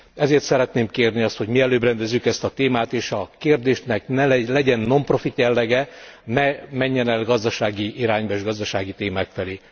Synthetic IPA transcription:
ɛzeːrt̪sɛɾɛt̪neːmkeːrniɒst̪ho̞ɟmiɛløːbrɛnd̪ɛzːykɛst̪ɒt̪eːmaːt̪eːʃɒkeːrd̪eːʃnɛknɛlɛɟɛnːo̞mpro̞fit̪jɛlːɛɡɛnɛmɛɲːɛnɛlɡɒzd̪ɒʃaːɡiiɾaːɲbɒeːʒɡɒzd̪ɒʃaːɡit̪eːmaːkfɛleː

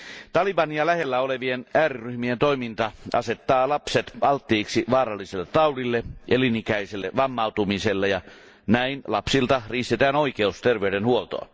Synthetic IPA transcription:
t̪ɑliʋɑniɑlæhelːæoleʋienæːriryhmient̪oimint̪ɑɑ̰set̪ːɑːlɑpset̪ɑlt̪ːiːksiʋɑːrɑlːiselːet̪ɑulilːeʔelinikæiselːḛʋɑmːɑut̪umiselːejɑ | næinlɑpsilt̪ɑriːst̪et̪æːnoikeust̪erʋeyɾenhuolt̪o̰ɑ̰

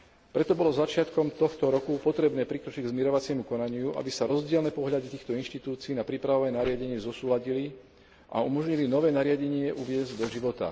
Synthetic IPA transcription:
pɾɛt̪ɔbɔlɔzat͡ʃɪat̪kɔmt̪ɔxt̪ɔɾɔkupɔt̪ɾɛbnɛːpɾikɾɔt͡ʃiɟɡzmɛɾɔʋat͡sɪɛmukɔnaɲɪuʔa̰bisaɾɔzɟɪɛlnɛːpɔɦʎad̪it̪iːxt̪ɔinʃt̪it̪uːt͡siːnapɾipɾaʋɔʋaɛːnaɾɪaɟɛɲɪɛzɔsuːlaɟili | ʔa̰umɔʒɲilinɔʋɛːnaɾɪaɟɛɲɪɛʔuʋɪɛzɟd̪ɔʒiʋɔt̪a̰

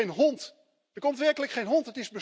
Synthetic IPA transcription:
ejnɦɔnt | dəkɔmtʋɛɹkələkχejnɦɔntɦətɪzbə

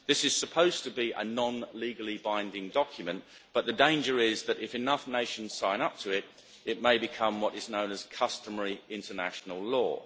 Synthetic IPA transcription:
ðɪsɨz̥səpʰoʊz̥tʰəbiʔə̰nɑ̃nliɡəl̩ˠibãɪ̃ndɪ̃ŋdɒkʰjɨmə̃nʔ | b̥ʌt̪̚ðɨdẽɪ̃nd͡ʒə˞ɪzðɨɾɪfɨnʌfneɪʃɨ̃n̩z̥sãɪ̃ñʌp̚tʰəɪɾ | ɪt̚meɪbɨkʰʌ̃mwʌɾɨznõʊ̃nɨz̥kʰʌstəməɹiɪ̃ntʰənæ̰ʃn̩əl̩ˠlɔ̰ː

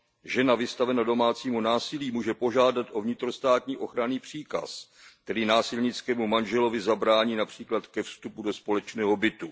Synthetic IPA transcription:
ʒɛnavɪst̪avɛnado̞maːt͡siːmunaːsɪliːmuːʒɛpo̞ʒaːdat̪ʔo̞vɲɪt̪ɾo̞st̪aːt̪ɲiːʔo̞xɾaniːpr̝̥iːka̰s | k̚t̪ɛɾiːnaːsɪlɲɪt͡skɛːmumanʒɛlo̞vɪzabɾaːɲiːnapr̝̥iːklat̪kɛfst̪upudo̞spo̞lɛt͡ʃnɛːɦo̞bɪt̪u

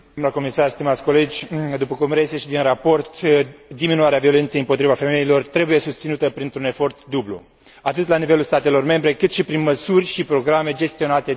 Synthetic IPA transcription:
mlako̞misarst̪imat̪sʲko̞le̞d͡ʒʲd̪upəkumɾeseʃid̪inrapo̞rt̪d̪iminuaɾeavio̞le̞nt̪sejɨmpo̞t̪ɾivafe̞me̞ilo̞rt̪ɾe̞buje̞sust̪sinut̪əpɾint̪ɾune̞fo̞rt̪d̪ublṵ | at̪ɨt̪lanive̞lulst̪at̪e̞lo̞rme̞mbɾe̞kɨt̪ʃipɾinməsurʲʃipɾo̞ɡɾame̞d͡ʒe̞st̪io̞nat̪e̞

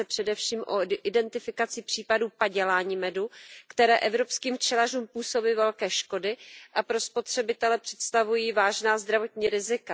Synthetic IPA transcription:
ɛpr̝̥ɛdɛfʃiːmʔo̰ʔɪdɛnt̪ɪfɪkat͡sɪpr̥iːpaduːpaɟɛlaːɲiːmɛdukt̪ɛɾɛːʔɛvɾo̞pskiːmft͡ʃɛlaruːmpuːso̞biːvɛlkɛːʃko̞dɪʔapɾo̞spo̞t̪r̝̥ɛbɪt̪ɛlɛpr̝̥ɛt̪st̪avujiːvaːʒnaːzd̪ɾavo̞t̪ɲiːɾɪzɪka

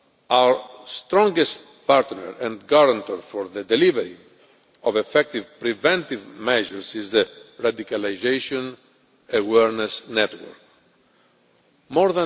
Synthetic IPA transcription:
awəɹst̪ɾɔ̃ŋɡɛst̪ | paɾt̪nɛ̰ɾɛ̃nd̪ɡaɾãnt̪əɾfɔɾðəd̪ɛlivɛɾḭ | ɔvɛfɛk̚t̪ivpɾivɛ̃nt̪ivmɛʒəɹsizðəɹad̪ikalajzeʃɔ̃n | awɛɾnɛsnɛt̪wə̰ɾk̚ | mɔɾðã

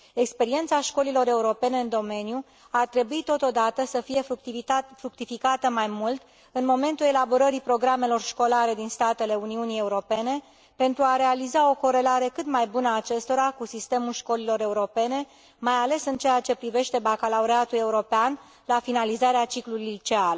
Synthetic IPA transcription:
e̞kspe̞ɾie̞nt̪saʃko̞lilo̞ɾe̞uɾo̞pe̞ne̞ɨnd̪o̞me̞nju | art̪ɾe̞buit̪o̞t̪o̞d̪at̪əsəfije̞ | fɾuk̚t̪ifikat̪əmajmult̪ | ɨnmo̞me̞nt̪ule̞labo̞ɾəɾipɾo̞ɡɾame̞lo̞rʃko̞laɾe̞d̪inst̪at̪e̞le̞uniunije̞uɾo̞pe̞ne̞ | pe̞nt̪ɾuaɾe̞alizao̞ko̞ɾe̞laɾe̞kɨt̪majbunəaːt͡ʃe̞st̪o̞ɾakusist̪e̞mulʃko̞lilo̞ɾe̞uɾo̞pe̞ne̞ | majale̞sɨnt͡ʃejat͡ʃe̞pɾive̞ʃt̪e̞bakalauɾeat̪ule̞uɾo̞pean | lafinalizaɾeat͡ʃiklulit͡ʃeal

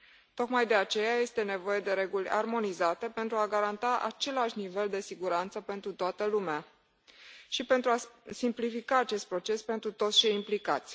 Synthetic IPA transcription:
t̪o̞kmajd̪e̞at͡ʃe̞jaje̞st̪e̞ne̞vo̞je̞d̪e̞ɾe̞ɡulʲa̰rmo̞nizat̪e̞pe̞nt̪ɾuaɡaɾant̪aʔa̰t͡ʃe̞laʃnive̞ld̪e̞siɡuɾant̪səpe̞nt̪ɾut̪oat̪əlumea | ʃipe̞nt̪ɾuasimplifikaːt͡ʃe̞st̪̚pɾo̞t͡ʃe̞spe̞nt̪ɾut̪o̞t̪st͡ʃe̞jimplikat̪sʲ

